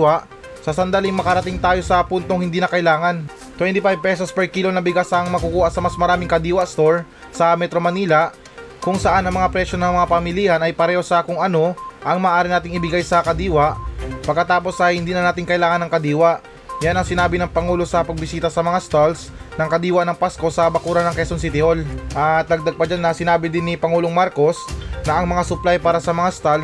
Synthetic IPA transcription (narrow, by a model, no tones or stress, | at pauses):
wɐʔ | sɐsɐnd̪aliŋmɐkɐɾɐt̪iŋt̪aːjo̞sɐpunt̪oŋhɪnd̪iːnɐkɐʔɪlaːŋɐn | t̪wɛnt̪ipajb̚pɛsospɛɹkiːlonɐbɪɡasɐŋmɐkʊkuːʔɐsɐmɐsmɐɾaːmɪŋkɐd̪iːwɐst̪oɹ | sɐmɛt̪ɾo̞mɐniːlɐʔ | kʊŋsɐʔanɐŋmɐŋapɾɛʃjo̞nɐŋmɐŋapɐmɪliːhɐnɐjpɐɾɛːho̞sɐkʊŋɐno̞ʔɐŋmɐːʔaːɾɪnaːt̪ɪŋɪbɪɡajsɐkɐd̪iːwɐʔpɐɡ̚kːɐt̪aːpo̞sɐhɪnd̪iːnɐnaːt̪ɪŋkɐʔɪlaːŋɐnːɐŋkɐd̪iːwaʔ | janɐŋsɪnaːbɪnɐŋpɐŋuːlo̞sɐpɐɡ̚bɪsiːt̪ɐsɐmɐŋast̪als | nɐŋkɐd̪iːwɐnɐŋpasko̞sɐbɐkuːɾɐnɐŋkɛsonsɪt̪ɪolʔɐt̪̚nɐɡ̚d̪aɡ̚pɐd͡ʒanːɐsɪnaːbɪd̪ɪnːɪpɐŋuːloŋmaɾko̞snɐʔɐŋmɐŋasʊplajpaːɾɐsɐmɐŋast̪al